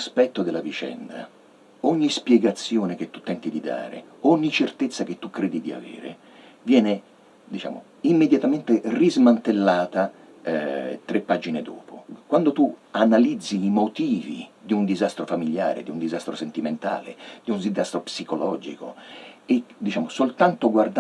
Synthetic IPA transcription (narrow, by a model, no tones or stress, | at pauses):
aspɛt̪ːod̪ɪlːavit͡ʃɛ̰nd̪a̰ | ɔɲːispjɛɡat̪sːjoːnek̟et̪ːut̪ːɛnt̪id̪id̪a̰ːɾḛɔɲːit͡ʃert̪et̪sːak̟et̪ːukːɾeːd̪id̪ia̰vḛːɾḛ | vjɛːne | d̪it͡ʃa̰ːmo̰ | imːed̪jat̪ament̪erizmant̪elːaːt̪a | ɛt̪ɾepːad͡ʒined̪o̰ːpokwand̪ot̪uanalid̪zːiːmot̪iːvḭd̪iund̪izast̪ɾofamiʎja̰ːɾḛd̪iund̪izast̪ɾosent̪iment̪a̰ːlḛd̪iundizast̪ɾopsikolɔːd͡ʒḭko̰ɪd̪it͡ʃaːmosolt̪ant̪oɡward̪